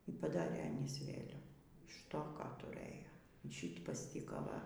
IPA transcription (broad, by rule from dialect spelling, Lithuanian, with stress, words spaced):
iː pɐˈdɑːrʲeː ɐˈnʲiːs ˈʋʲeːlʲɛʋuː ɪʃ ˈtoː ˈkɑː tʊˈrɘjoː iː ˈʃʲiːt pɐsʲˈtʲiːkɐ ˈʋɐ